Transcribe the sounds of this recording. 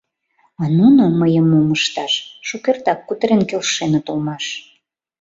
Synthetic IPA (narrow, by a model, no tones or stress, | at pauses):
ɑnunoməjəmːuməʃt̪ɑʃʃukert̪ɑkːut̪əɾenkelʃenə̆t̪olmɑʃ